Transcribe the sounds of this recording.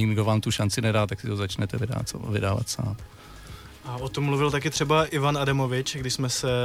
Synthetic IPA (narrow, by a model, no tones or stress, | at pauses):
ɪɡdovaːmt̪uʃant͡sɪnɛdaːt̪aksɪt̪ozat͡ʃnɛt̪ɛvɪda̰ːt̪svɪdaːva̰t̪sa̰ːm | ʔaot̪omːluvɪlt̪akɪt̪r̥ɛbaʔɪvanadamo̞vɪt͡ʃɡdɪʃsmɛsɛ